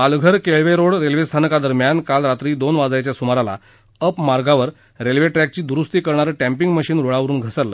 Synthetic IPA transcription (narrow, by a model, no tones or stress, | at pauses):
alɡʱəɾkeɭʋeɾoɽɾelʋest̪ʰanəkad̪əɾmjankalɾat̪ɾiːd̪onʋad͡zat͡ɕjasumaɾala̰ | əpmaɾɡaʋəɾ | ɾelʋeʈɾæk̚t͡ɕiːd̪uɾust̪iːkəɾɳaɾəʈæ̃mpiŋɡməɕiːnɾoɭaʋɾuːnɡʱəsəllə̰